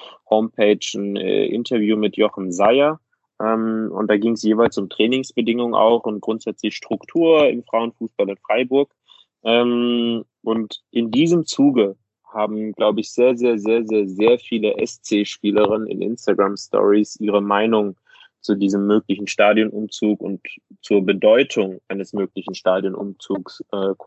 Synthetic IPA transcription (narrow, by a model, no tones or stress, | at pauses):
hoʊmpʰeɪt͡ʃn̩ɛ̰ʔɪ̰ntʰɐvjuːmɪtjɔχn̩zaɪɐ | ʔɛːmʊ̰nt̚d̥aːɡɪŋəsjeːvaɪlsʊmtʁ̥ɛːnɪŋsb̥ədɪŋʊŋʔa̰ʊxʊnt̚ɡ̥ʁʊntz̥ɛt͡slɪçʃtʁ̥ʊktʰuːɐɪ̰mfʁ̥aʊənfuːsb̥alɪnfʁ̥aɪbʊɐk | ʔɛːm | ʔʊntʔɪndiːzəmt͡suːɡə | haːbm̩ɡlaʊbəɪçz̥eːɐzeːɐzeːɐzeːɐzeːɐfiːləʔɛ̰st͡seːʃpiːləʁɪnənɪ̰nʔɪ̰nstaɡʁamstʰɔ̰ʁisʔiːʁ̞əmaɪnʊŋ | t͡sudiːzəmːøːklɪçn̩ʃtaːdjɔnʔʊmt͡suːkʊ̰ntt͡suːɐbədɔʏtʰʊŋʔaɪnəsmøːklɪçn̩ʃtaːdjɔnʔʊ̰mt͡suːksʔɛːk